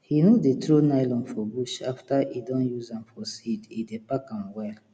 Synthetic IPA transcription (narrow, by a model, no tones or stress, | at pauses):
hinudetɹonaɪlɔ̃nfɔbuʃa̰ftaidɔ̃njuzãmfɔsididepakãmwɛl